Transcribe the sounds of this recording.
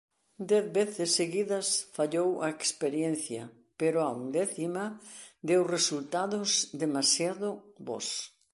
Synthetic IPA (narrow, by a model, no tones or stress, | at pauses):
d̪ɛθβeθɪsːeɣiðɐsfaʎowɐekspeɾjɛn̟θjɐ | peɾʊaund̪ɛθimɐd̪ewresult̪aðʊzd̪emasjaðʊbɔ̰s